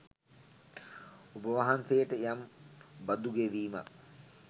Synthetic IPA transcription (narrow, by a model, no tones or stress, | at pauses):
ubəʋaɦansejəʈəjambad̪uɡeʋiːma̰k̚